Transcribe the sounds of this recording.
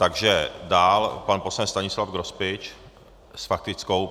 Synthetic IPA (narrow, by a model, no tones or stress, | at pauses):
t̪aɡʒɛdaːlpanposlɛnst̪aɲɪslafɡɾospɪt͡ʃ | sfak̚t̪ɪt͡sko̞w